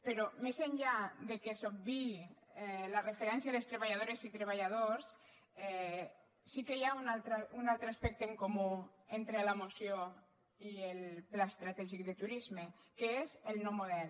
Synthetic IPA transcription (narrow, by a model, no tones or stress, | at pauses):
peɾɔmezeɲʎaðekesob̚bi | lərefeɾɛnsjaðest̪ɾeβaʎað̞oɾesit̪ɾeβ̞aʎað̞oɾs | ɛ | sikejaunalˠt̪ɾəunalˠt̪ɾeaspɛk̚t̪eŋkomuent̪ɾelamosjo | ielplast̪ɾat̪ɛʒik̚d̪et̪uɾizmekeezelˠnomoðɛl